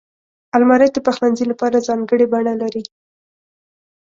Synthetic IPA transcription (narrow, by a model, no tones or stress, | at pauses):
almɑɾɛt̪̚d̪əpaxlanzilapɑɾazɑŋɡəɽebaɳalaɾi